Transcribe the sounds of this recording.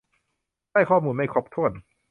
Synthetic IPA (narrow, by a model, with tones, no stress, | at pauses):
aː˥˩jkʰɔː˥˩muː˧nma˥˩jkʰo˦˥p̚t̪ʰu˥˩ən